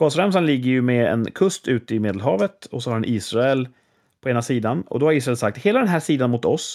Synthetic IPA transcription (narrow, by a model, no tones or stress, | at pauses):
ɡ̥oːsɾɛms̬anlɪɡːəɾjɵmɛɛ̰nkʰɵst̪ʰʉ̟ːt̪əɪmeːd̪əlɦɑːvət̪ɔsɔhadɛnʔiːsɾaɛl | pʰɔeːnasiːd̪anɔ̰d̪ɔhaɾiːsɾaɛlsak̚t̪heːlad̪ɛnɦæːʂiːd̪anmʊt̪ɔs